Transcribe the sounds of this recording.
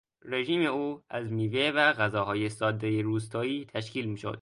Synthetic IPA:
ɾe̞ʒiːme̞uːæzmiːvevæɣæzɒːɦɒːjesɒːd̪ːejeɾuːst̪ʰɒːiːt̪ʰæʃkiːlmiːʃo̰d̪̥

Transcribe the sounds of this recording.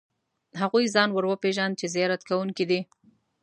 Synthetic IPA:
ɦaɣujzɑnwəɾwəpeʒand̪̚t͡ʃezɪjɑɾat̪kawuŋkid̪i

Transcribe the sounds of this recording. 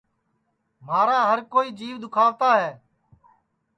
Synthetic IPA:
maːɾaːɦəɾkoːiːd͡ʒiːʋd̪ʊkʰaːʋt̪aːɦɛː

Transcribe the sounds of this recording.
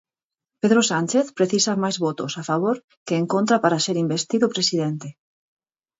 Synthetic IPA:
peðɾosant͡ʃeθpɾeθisamajzβot̪ʊsafaβ̞oɾ | keːŋkont̪ɾapaɾaseɾimbest̪iðʊpɾesiðent̪e

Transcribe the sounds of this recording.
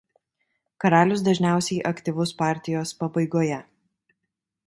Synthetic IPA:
kɐɾɑːlʲʊs̬d̪ɐʒʲnʲæˑʊsʲɛɪʔɐkt̪ʲiʋʊspɑːˑɾʲt̪ʲɪjoːspɐbɐɪɡoːjɛ

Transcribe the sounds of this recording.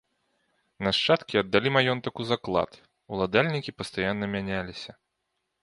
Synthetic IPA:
nɐʂt͡ʂat̪kʲiɐd̪ːalʲimajɔnt̪ɐkuzaklˠa̰t̪ | ulˠad̪alʲnʲikʲipɐst̪ajanːɐmʲanʲalʲisʲɐ

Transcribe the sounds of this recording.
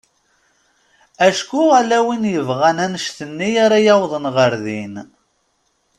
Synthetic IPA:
æʃkualæwinjəvʁænænəʃθənːijaɾajɑwðˤənʁəɾðin

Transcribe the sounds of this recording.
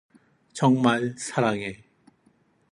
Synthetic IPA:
t͡ɕʌŋmaɭsʰaɾaŋe

